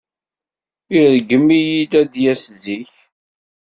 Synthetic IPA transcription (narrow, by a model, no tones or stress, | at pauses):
iɾɡəmːijid̪æd̪jæsziç